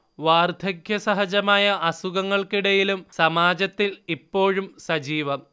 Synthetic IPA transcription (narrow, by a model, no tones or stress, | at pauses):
ʋaːrd̪ʱɐɡjɐsɐɦɐd͡ʑɐmaːjɐʔɐsuɣɐŋːɐɭkiɽɐjilumsɐmaːd͡ʑɐt̪ːilipːo̞ːɻumsɐd͡ʑiːʋɐm